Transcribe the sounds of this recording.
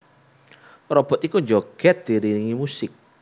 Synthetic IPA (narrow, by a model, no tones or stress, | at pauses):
rɔb̥ɔ̤t̪ikuɲd͡ʒoɡ̥ɛt̪̚d̪̥iɾiniŋimusɪk̚